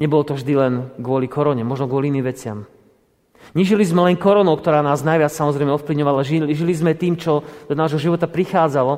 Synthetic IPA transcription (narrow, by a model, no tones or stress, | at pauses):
ɲɛbɔlɔt̪ɔvʒd̪ilɛnɡʊɔlikʰɔɾɔɲɛmɔʒnɔɡwʊɔliiniːmʋɛt͡sɪam | ɲiʒilizmɛlɛŋkɔɾɔnɔʊkt̪ɔɾaːnaːznajʋɪat͡ssamɔzɾɛjmɛɔfpliʊɲɔʋalaʒiʒilizmɛt̪iːmt͡ʃɔd̪̥ɔnaːʒɦɔʒiʋɔt̪apɾixaːd͡zalɔ